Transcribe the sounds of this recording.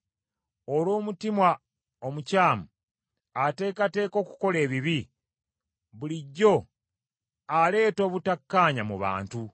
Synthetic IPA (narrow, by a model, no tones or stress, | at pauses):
olo̞ːmutimwa | omucaːmu | ate̞ːkate̞ːko̞ːku̥ko̞le̞ːβiβi | βuliɟːo̞ | ale̞ːto̞ːβutakːaːɲamuβa̰ːntu